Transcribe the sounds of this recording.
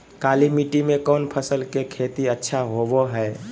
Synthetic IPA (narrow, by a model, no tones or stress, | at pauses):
kaːlimiʈimẽkɔːnpʰəsəlkekʰeːt̪iətːʃʰaɦowoɦɛː